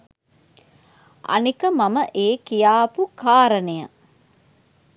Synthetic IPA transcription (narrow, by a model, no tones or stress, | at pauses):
ʔɐ̰nikəmɐmɐʔeːkijaːpukaːɾɐnejɐ